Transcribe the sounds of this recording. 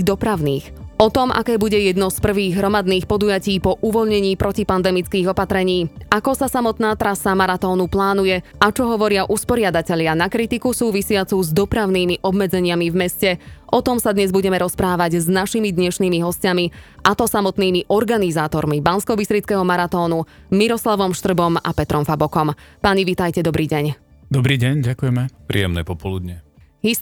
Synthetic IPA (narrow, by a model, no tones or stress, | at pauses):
d̪ɔpɾaʊniːxɔt̪ɔmʔa̰kɛːbuɟɛjɛd̪nɔspr̩ʋiːɣɦɾɔmad̪niːxpɔd̪ujaciːpɔʔuʋɔʎɲɛɲiːpɾɔcipand̪ɛmit͡skiːɣɔpat̪ɾɛɲiːakɔsasamɔt̪naːt̪ɾasamaɾat̪ɔːnuplaːnujɛʔat͡ʃɔɦɔʋɔɾɪaʔuspɔɾɪad̪acɛʎɪanakɾit̪ikusuːʋisɪat͡suzd̪ɔpɾaʊniːmiʔɔbmɛd͡zɛɲɪamivmɛscɛʔɔt̪ɔmsad̪ɲɛzbuɟɛmɛɾɔspɾaːʋaɟznaʃimid̪ɲɛʃniːmiɦɔscamiʔat̪ɔsamɔt̪niːmiʔɔɾɡanizaːt̪ɔɾmibanskɔbisɾit͡skɛɦɔmaɾat̪ɔːnu | miɾɔslaʋɔmʃt̪r̩bɔma̰pɛt̪ɾɔmfabɔkɔmpaɲiʋit̪ajcɛd̪ɔbɾiːɟɛɲ | d̪ɔbɾiːɟɛɲɟakujɛmɛpɾḭːjɛmnɛ̰ːpɔpɔlud̪ɲɛ | ɦi